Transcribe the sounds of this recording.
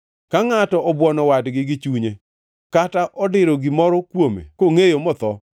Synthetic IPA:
kaŋatɔʔɔbwɔnɔwadɡɪɡɪt͡ʃuɲe | kataʔɔdɪɾɔɡɪmɔɾɔkwomḛkoŋejomɔt̪ɔ

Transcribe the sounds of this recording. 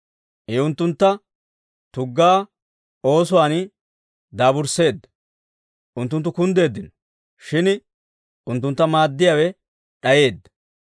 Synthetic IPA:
ʔɛʊnt̪ːʊnt̪ːɐ | t̪ʊɡːaː | o̞ːs̬ʊwaːn | d̪aːbʊɾse̞ːd̪ːɐ̥ | ʔʊnt̪ːʊnt̪ːʊkʊnd̪e̞ːd̪ːɪnɔ | ʃɪn | ʊnt̪ːʊnt̪ːɐmaːd̪ːɪjaːwɛ | ᶑɐje̞ːd̪ːɐ̥

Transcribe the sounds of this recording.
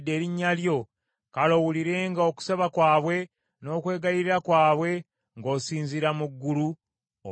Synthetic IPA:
dːe̞ːɾiɲːaljo̞ | kalo̞wuliɾe̞ːŋɡaoku̥saβakwaːβwe̞ | no̞ːkwe̞ːɡajiɾiɾakwaːβwe̞ | ŋɡo̞ːsiːɲziɾamuɡːulu

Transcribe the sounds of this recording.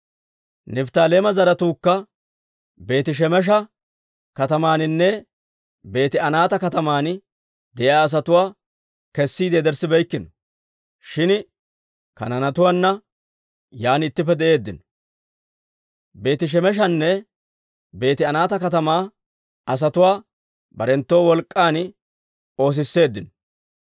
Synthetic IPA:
nɛft̪aːle̞ːmɐzɐɾɐt̪uːkːɐ | be̞ːt̪ɪʃ̬ɛmɛʃ̬ɐ | kɐt̪ɐmaːnɪnːɛ | be̞ːt̪ɪɐnaːt̪ɐkɐt̪ɐmaːn | d̪ɛjaːs̬ɐt̪ʊwaː | kɛsːiːd̪eːd̪ɛɾsɪbɛjkːɪnɔ | ʃɪn | kɐ̰nɐnɐt̪ʊwaːnːɐ | jaːnɪt̪ːɪpːɛd̪ɛʔe̞ːd̪ːɪn | be̞ːt̪ɪʃ̬ɛmɛʃ̬ɐnːɛ | be̞ːt̪ɪɐnaːt̪ɐkɐt̪ɐmaː | ɐs̬ɐt̪ʊwaː | bɐɾɛnt̪ːo̞ːwɔlkʼːaːn | o̞ːs̬ɪsːe̞ːd̪ːɪn

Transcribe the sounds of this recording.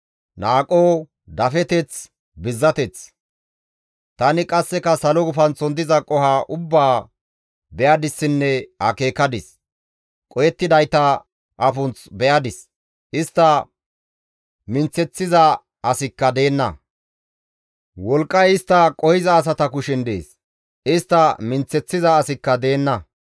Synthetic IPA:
naːkʼːoː | d̪ɐfɛt̪ɛt͡s | bɪzːɐt̪ɛt͡s | t̪ɐnɪkʼɐsːɛkɐsɐlɔɡʊfɐnt͡sɔnd̪ɪzɐkʼɔhaʔʊbːaː | bɛjɐd̪ɪsːɪnːɛhɐ̰ke̞ːkːɐd̪ɪs | kʼɔjɛt̪ːɪd̪ɐjt̪ɐ | ʔɐfʊnt͡sbɛjɐd̪ɪs | ʔɪst̪ːɐ | mɪnt͡sːɛt͡sːɪzɐ | ʔɐsɪkːɐd̪e̞ːnːɐ̰ | wɔlkʼːɐjɪst̪ːɐkʼɔhɪzɐːs̬ɐt̪ɐkʊʃɪnd̪e̞̰ːs | ɪst̪ːɐmɪnt͡sːɛt͡sːɪzɐːsɪkːɐd̪e̞ːnːɐ

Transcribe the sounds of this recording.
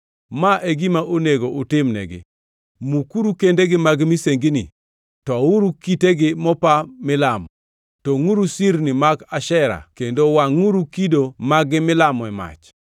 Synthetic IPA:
maʔeɡimaʔoneɡoʔutɪmnɛ̰ɡɪ̰ | mukuɾukendeɡɪmaɡmiseŋɡinḭ | tɔuɾukiteɡɪmɔpamɪlamɔ | toŋuɾusiɾnimaɡaʃɛɾa̰kendowaŋuɾukidomaɡɪmɪlamɔɛma̰t͡ʃ

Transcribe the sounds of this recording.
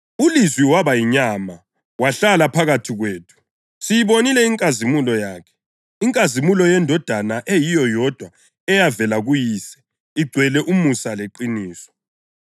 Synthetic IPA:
ulizwiwaβajiɲama | waɬalapʰaɣatʰiɣweːtʰu̥ | tʰʼijiβonilɛiŋkʼazimulɔjaːkʰɛ̥ | iŋkʼazimulɔjɛndʱɔd̥ʱanaʔejijɔjɔd̥ʱwa | ɛjavɛlaɣujisɛ̥ | iɡ͡ǀʱwɛlɛʔumusaleǃiniːsɔ̥

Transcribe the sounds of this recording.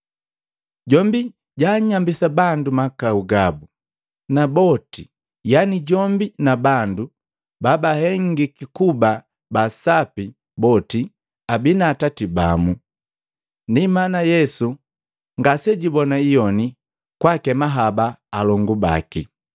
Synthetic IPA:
ɟɔmbi | ɟaɲambisabandumakauɡabu | nabɔti | janiɟɔmbinabandu | babahɛŋɡikikuba | basapi | bɔti | abinaːtatiba̰mu | ndimanajɛsu | ŋɡasɛɟibɔnaijɔni | kwakɛmaɦabaːlɔŋɡuba̰ki

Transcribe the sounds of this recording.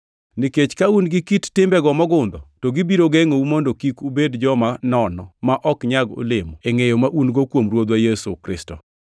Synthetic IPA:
niket͡ʃkaunɡɪkittɪmbɛɡɔmɔɡʊnd̪ɔtɔɡibiɾoɡɛŋoumondokikubedd͡ʒɔmanɔnɔmaʔɔkɲaɡo̰lɪmɔeŋejomaʔunɡokwomɾwod̪wajɛsṵkɾɪ̰stɔ̰

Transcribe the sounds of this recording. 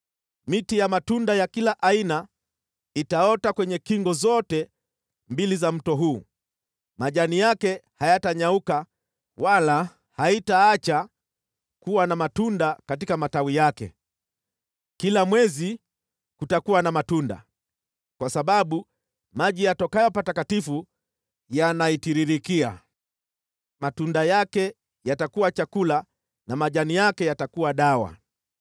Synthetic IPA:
mitijamatundajakilaʔaina | itaɔtakwɛɲɛkiŋɡɔzɔtɛ | mbilizam̩tɔɦuː | maʄanijakɛhajataɲauka | wala | haitaat͡ʃa | kuwanamatundakatikamatawijakɛ̰ | kilamwɛzi | kutakuwanamatunda̰ | kwasaɓaɓu | maʄijatɔkajɔpatakatifu | janaitiɾiɾikia̰ | matundajakɛ | jatakuwat͡ʃakula | namaʄanijakɛjatakuwaɗawa̰

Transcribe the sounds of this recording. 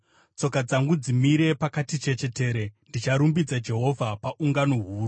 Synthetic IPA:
t͡so̞kad͡zaŋɡud͡zimiɾe̞pakatit͡ʃe̞t͡ʃe̞te̞ːɾe̞ndit͡ʃaɾumbid͡zad͡ʒe̞ɦo̞vʱapaʔuŋɡanoɦuːru

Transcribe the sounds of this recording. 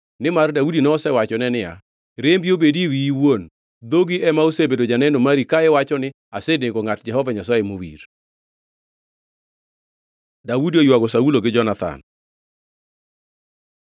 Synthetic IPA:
nɪmardaudinɔɔsɛwat͡ʃɔnɛnɪja̰ | ɾembiobediwiiwon | d̪oɡiʔɛmaosebedod͡ʒanɛndomaɾikaɛwat͡ʃɔnɪ | asedɪɡɔŋat̚d͡ʒɛɦɔvaɲɔsɔɪmowḭɾ | dawudiojwaɡɔsauloɡɪd͡ʒɔnat̪a̰n

